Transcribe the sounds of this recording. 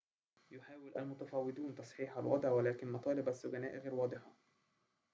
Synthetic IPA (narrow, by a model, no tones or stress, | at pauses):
jʊħaːwɪlʔælmʊt̪æfɑwːɪd̪uːnt̪ɑsˤħiːħɑlwɑ̰d̪ˤʕwælæːkɪnmɑt̪ˤɑːlɪbæsːʊɡænæːʔɣeːɾwɑːd̪ˤɪħɑ